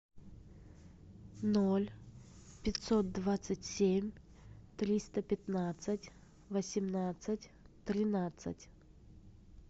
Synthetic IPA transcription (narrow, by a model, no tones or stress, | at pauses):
nolʲpʲɪt̪ʲsot̪̚d̪vat̪sɨtʲsʲemʲ | t̪ɾʲist̪əpʲɪt̪nat̪sɨtʲ | vəsʲɪmnat̪sɨtʲt̪ɾʲɪnat̪sɨ̰tʲ